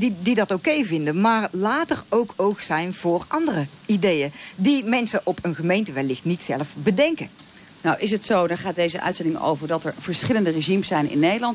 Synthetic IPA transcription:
ididɑtowkejvɪndəmaːrlaːtərowkʰowksɛjnv̥ʊːɹʔɑndərə | idejədimɛnsəʔɔpʰənχəmejntəʋɛlːɪχtnitsɛləfbədɛŋkə | nɔwɪs̬ɦətsowdɔɹχaːt̚dejzəʔœ̰ɥtsɛndɪŋəo̰wvəɹdɑtɛɹv̥əɹsχɪləndəreʒimsɛjnɪ̰nːejdəlɑnt

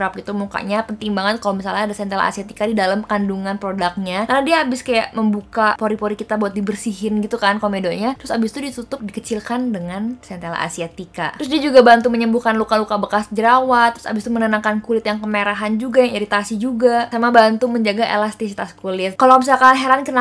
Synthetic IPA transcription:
ɾap̚ɡit̪umuka̰ʔɲapənt̪iŋbaŋat̪̚kalomisalɲaadasɛnt̪ela̰ʔa̰siat̪ikadidalamkanduŋanpɾodak̚ɲakarnadiaabɪskajaʔməmbukapoɾipoɾikit̪abuat̪̚dibərsiɦɪnɡit̪ukankomedoɲat̪ɾʊsabɪst̪udit̪ut̪ʊp̚dikət͡ʃilkandəŋansɛnt̪ela̰ʔa̰siat̪ika̰t̪ɾʊsdiad͡ʒuɡabant̪uməɲəmbuhkanlukalukabəkasd͡ʒəɾawat̪ɾʊsa̰bɪst̪umənənaŋkankulɪt̪jaŋkəmeɾaɦand͡ʒuɡajaŋiɾit̪asid͡ʒuɡasamabant̪uməɲd͡ʒaɡaʔḛlast̪isit̪askulɪt̪̚kalomisalkalaɦeɾankəna

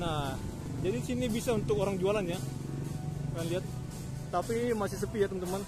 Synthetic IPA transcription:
nah | d͡ʒadisinibisaunt̪ʊkoɾaŋd͡ʒualanɲa | kaŋliat̪̚ː | apimasɪhs̬əpijat̪əmant̪əman

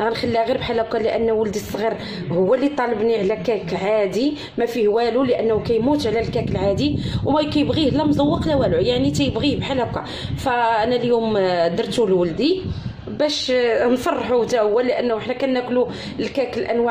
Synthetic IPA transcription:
ɣænxælːiɣiɾbħalækaləʔənːwəld̪isˤːɣiɾ | hʊwːælit̪ˤɑlɑbniʕlækækʕad̪i | mæfihwæluləʔənːhukæjmut̪ʕlælkækəlʕad̪iwmækæjəbɣihəlːæmzˤɑwːəqlæwælʕujaʕnit̪æjəbɣibħalæka̰ | fæʔænæljumd̪əɾˤt̪ulwəld̪i | bæʃnfɑrˤːħut̪æʔʊwːælːəʔənːhuʔəħnækænːæklu | lkækəlʔænwa

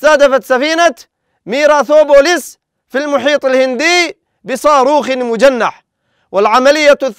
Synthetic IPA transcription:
θaːd̪afat̪safiːna | miːɾaθoːboːlɪs | filmʊħiːt̪ˤɪlhɪnd̪ɪː | bɪsˤɑːɾuːxɪmʊd͡ʒanːaħ | wɪlʕamalɪjːaθ

